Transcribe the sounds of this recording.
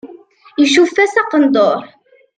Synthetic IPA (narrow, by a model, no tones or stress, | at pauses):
iʃufːæsɑqənd̪ˤoɾ